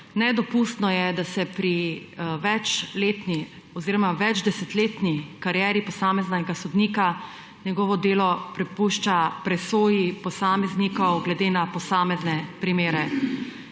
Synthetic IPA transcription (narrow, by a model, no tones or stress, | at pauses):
nɛd̪ɔpust̪nɔjɛd̪asɛpɾiʋɛt͡ʃleːt̪ni | ɔziːɾɔmaʋɛd͡ʒd̪ɛsɛt̪leːt̪nikaɾjɛːɾipɔsaːmɛznaɛɡasɔd̪niːka | ɲɛɡɔːʋɔd̪eːlɔpɾɛpuːʃt͡ʃapɾɛsoːjipɔsamɛznikɔwɡlɛd̪eːnapɔsaːmɛznɛpɾimeːɾɛ